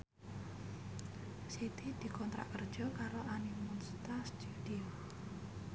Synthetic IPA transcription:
sit̪id̪̥i̤kɔnt̪ɾa̰ʔkərd̥ʒ̥ɔ̤kaɾoanimunst̪ast̪ud̪̥io

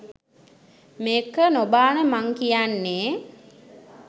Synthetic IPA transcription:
meːkːənobaːnəmaŋkijanːeː

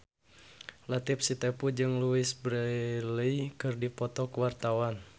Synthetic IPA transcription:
lat̪ɪp̚sit̪ɛpud͡ʒɨŋluɪsbɾələikɨrdipɔt̪ɔkəwart̪awan

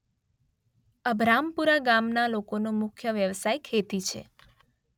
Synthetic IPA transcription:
əbʱɾampuɾaɡamnalokonomʊkʰjəʋjəʋsajkʰet̪it͡ʃʰḛ

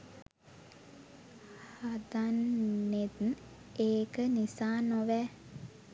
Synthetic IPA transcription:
had̪anːed̪n | eːkənisaːnoʋɛ

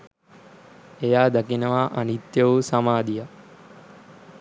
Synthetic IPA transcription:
ejaːd̪akinəʋaʔanit̪jɐʋusamaːd̪ija

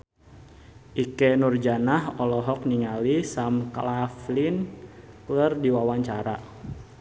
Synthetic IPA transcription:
ʔikenurd͡ʒanaɦɔlɔɦɔk̚niŋalisamklaflin | klərdiwawaɲt͡ʃaɾa

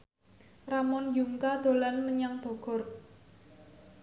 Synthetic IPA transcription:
ramɔnjuŋkad̪̥o̤lanməɲaŋb̥ɔ̤ɡ̥ɔ̤r

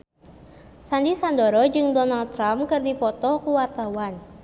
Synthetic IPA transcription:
sandisandɔɾɔd͡ʒɨŋdɔnalt̪ːɾamkɨrdipɔt̪ɔkuwart̪awan

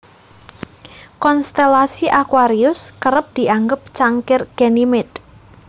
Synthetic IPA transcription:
kɔnst̪elasiʔakwaɾiʊskəɾəp̚d̪̥i̤aŋɡəp̚t͡ʃaŋkɪrɡ̥enimɪt̪

